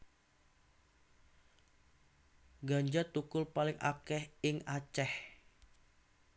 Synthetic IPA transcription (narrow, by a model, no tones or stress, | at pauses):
ɡaɲd͡ʒat̪ukʊlpalɪŋa̰kɛhɪŋat͡ʃɛh